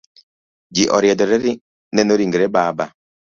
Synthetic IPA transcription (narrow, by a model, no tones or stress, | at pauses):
d͡ʒiʔɔɾjɛdɔɾɛɾi | nɛnoɾiŋɡɛɾɛbaba